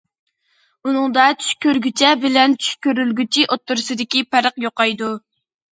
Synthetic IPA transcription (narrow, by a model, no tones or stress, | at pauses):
unɨŋd̪ɑt͡ʃʰy̥ʃkʲøɾɡʲyt͡ʃʰɛbɪlɛnt͡ʃʰy̥ʃkʲøɾylɡʲyt͡ʃʰiʔot̪ːuɾɨsɨd̪ɪkʲipʰæɾəqjoqɑjd̪u